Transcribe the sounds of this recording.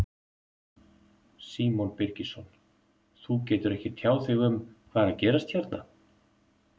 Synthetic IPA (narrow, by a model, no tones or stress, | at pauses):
siːmɔnpɪɾcisɔn | θucɛːt̪ʏɾɛhcɪt̪ʰjaːwθɪɣʏmkʰv̥aːðaðcɛːɾast̪çɛɾt̪na